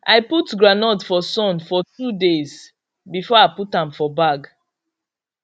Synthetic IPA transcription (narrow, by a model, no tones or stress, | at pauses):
ʔaɪputɡɹanɔdfɔsɔ̃nfɔtudez | bifɔaɪputãmfɔbaɡ